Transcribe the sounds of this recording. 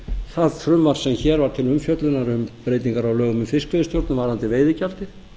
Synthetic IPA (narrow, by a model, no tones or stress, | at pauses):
θaðθɾʏmvaɾ̥sɛmçɛːɾvaɾ̥t̪ʰɪlːʏmfjœt̪lʏnaɾʏmpɾeːjt̪iŋkaɾawlœːɣʏmʏmfɪskvɪðɪst̪jowɾt̪nʏmvaɾ̥hant̪ɪveːjðɪcalt̪ɪθ